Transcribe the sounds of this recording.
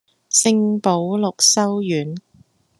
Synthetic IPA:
sɪ˧ŋpo˨˧˥wlʊ˨k̚sɐ˥wjyː˨˥n

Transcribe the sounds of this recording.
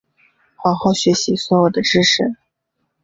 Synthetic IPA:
xwɑ˧˥xo˥˩ʊɕɥɛ˧˥ɕi˧˥swɔ˧˥jo˨˩ʊd̪ə˦ʈ͡ʂɻ̩˥ʂɻ̩˥˩

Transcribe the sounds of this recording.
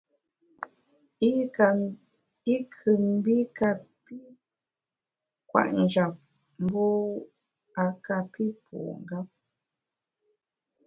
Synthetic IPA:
a˨ | i˦kʰɨ˨m˦bi˦ka˧pi˦ | kwa̰˨ʔn˨d͡ʒa˨p̚ | m˦bu˦ | a˨ka˨pi˦pʰṵ˨ŋ˨ɡa˦p̚

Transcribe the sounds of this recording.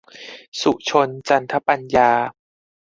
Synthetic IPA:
su˨˩t͡ɕʰo˧nt͡ɕa˧nt̪ʰa˦˥pa˧njaː˧

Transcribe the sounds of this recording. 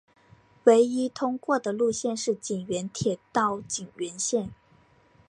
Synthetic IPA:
we˧˥ɪi˥t̪ʰʊ˥ŋkwɔ˥˩d̪ə˩lu˥˧ɕjɛ˥˧nʂɻ̩˥˩t͡ɕi˨˩ŋɥɛ˧˥nt̪ʰjɛ˨˩t̪ɑ˥˩ʊt͡ɕi˨˩ŋɥɛ˧˥nɕjɛ˥˩n

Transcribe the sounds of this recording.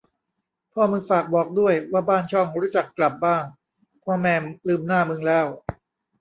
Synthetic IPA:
pʰɔː˥˩mɯː˧faː˨˩k̚bɔː˨˩k̚du˥˩əjwaː˥˩baː˥˩nt͡ɕʰɔ˥˩ŋɾuː˦˥t͡ɕa˨˩kːla˨˩p̚baː˥˩ŋ | pʰɔː˧mɛː˧mlɯː˧mnaː˥˩mɯ˧ŋlɛː˦˥w

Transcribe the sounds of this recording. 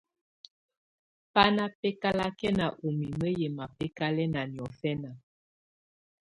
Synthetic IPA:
pa˦na˦pɛ˦ka˦la˦kɛ˦na˨ʔo˨mi˨mə˦jɛ˨ma˨pɛ˦ka˦lɛ˦na˨njɔ˨fɛ˦na˨

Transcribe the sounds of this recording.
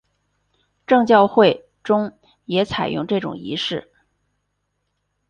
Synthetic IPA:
ʈ͡ʂɤ˥˧ŋt͡ɕjɑ˥˧ʊxwe˥˧ɪ | ʈ͡ʂʊ˥ŋ | jɛ˧˥t͡sʰa˨˩ɪjʊ̰˥˧ŋʈ͡ʂɤ˥˩ʈ͡ʂʊ̰˨˩ŋḭ˧˥ʂɻ̩˥˩

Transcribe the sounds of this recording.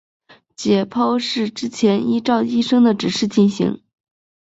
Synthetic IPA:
t͡ɕjɛ˨˩pʰo˥ʊʂɻ̩˥˩ʈ͡ʂɻ̩˥t͡ɕʰjɛ˧˥ni˥ʈ͡ʂɑ˥˧ʊi˥ʂɤ˥ŋd̪ə˨ʈ͡ʂɻ̩˨˩ʂɻ̩˥˩t͡ɕi˥˩nɕḭ˧˥ŋ

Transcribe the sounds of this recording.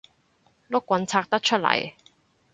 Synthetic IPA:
lʊ˥kʷːwɐ˨˥nt͡sʰaː˧k̚t̪ɐ˥k̚t͡ʃʰɵ˥t̚lɐ̰˨˩j

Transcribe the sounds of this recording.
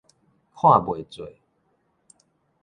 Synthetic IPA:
kʰwa˥˨bwe˨˩˨t͡swe˨˩˨

